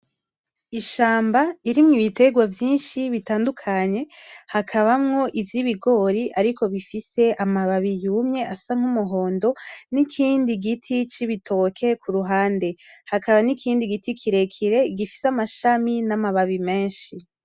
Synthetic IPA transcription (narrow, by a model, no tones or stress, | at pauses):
iʃaːmbaiɾimŋiβite̞ɡwavjiːnʃiβitaːndukʰaɲe̞hakʰaβamŋo̞ʔivjiβiɡo̞ɾiʔaɾikʰo̞βifise̞ʔamaβaβijuːmɲe̞ʔasaŋ̥umuɦo̞ːndo̞nikʰiːndiɡitʰit͡ʃiβitʰo̞kʰe̞kʰuɾuɦaːnde̞hakʰaβanikʰiːndiɡitʰikʰiɾe̞kʰiɾe̞iɡifi̥samaʃaminamaβaβime̞ːnʃi